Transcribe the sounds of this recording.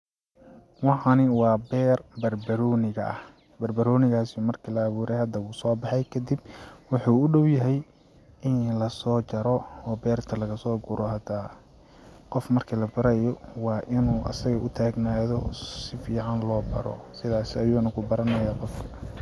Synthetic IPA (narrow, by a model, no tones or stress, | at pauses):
wɑʕɑnɪwɑːbɛːrbɐrbɐɾɔːnɪɣɐʔɐ̰h | bɐrbɐɾɔːnɪɣaːsimɐrkʰilɐːβuːɾɛjhɐd̪ɐuːsɔːbɑħɛjkʰɐd̪ibwʊħuːʊɖɔwjɐɦɛj | ʔɪnlɐsɔːt͡ʃɐɾɔɔːbɛːrt̪ʰɐlɐɣɐsɔːɡʊɾɔɦɐd̪a | qɔfmɐrkʰilɐbɐɾɐjɔwɑːʔɪnuːʔɐ̰sɐɣɐʔʊt̪ʰaːɡnaːðɔsɪfiːʕɑnlɔːbɐ̰ɾɔ̰sɪðaːsɪɐjuːnɐkʰʊbɐɾɐnɐjaːqɔfkʰɐ̥